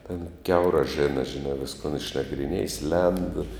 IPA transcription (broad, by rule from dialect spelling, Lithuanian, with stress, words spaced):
tʲɛn ˈkʲɛʊrɑː ˈʒʲæːnɐ ʒʲɪˈnɑː ˈʋʲɪskoːn ɪʃnɐɡrʲɪˈnʲiɛjɪs lʲɛnt